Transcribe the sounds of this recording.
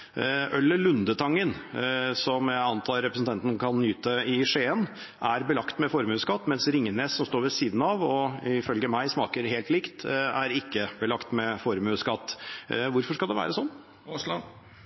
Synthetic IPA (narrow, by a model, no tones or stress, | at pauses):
ʔœlːəlʉnd̪ət̪ʰɑŋːənsɔmæɪɑnt̪ʰɑːɾɛpɾəsn̩t̪ɑnt̪n̩kʰɑnːyːt̪əɪʂeːən | ʔæɾbəlɑkt̪mɛfɔɾmʉːskɑt̪ːmɛnsɾɪŋːəneːsːɔmst̪oːɾʋɛsiːd̪n̩ɑʋɔɪfœlɡəmæɪsmɑːkəɾheːlt̪lɪkt̪æɾɪkːəbəlɑkt̪mɛfɔɾmʉːskɑt̪ːʋʊɾfɔʂkɑld̪ɛʋæ̰ːɾəsɔnː